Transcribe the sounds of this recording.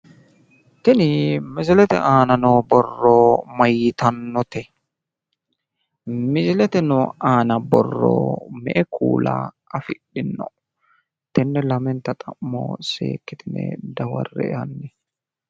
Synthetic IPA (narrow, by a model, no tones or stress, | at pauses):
t̪ɪnɪmɪzɪlɛt̪ɛ̰ʔaːnɐnobɔrːɔmɐjɪt̪ɐnːɔt̪ɛ | mɪzɪlɛt̪ɛnɔaːnɐbɔ̰rːo̰mɛ̰ʔɛkʰṵːla̰ː | ɐfɪɗːɪnːɔ | t̪ɛnːɛlɐmɛnt̪ːɐt̪ʼɐmːo̰ːsḛːkːɪt̪ɪnɛ̰d̪ɐwɐ̰rːɛ̰ɛɐnːɛ